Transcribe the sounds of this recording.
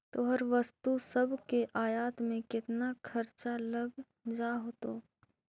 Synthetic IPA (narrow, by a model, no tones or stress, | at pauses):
t̪oːɦɐɾʋɐst̪usɐbʱkeʔaːjaːt̪mẽkɪt̪nakʰɐɾt͡ʃalɐɡ | d͡ʒaːɦoːt̪oː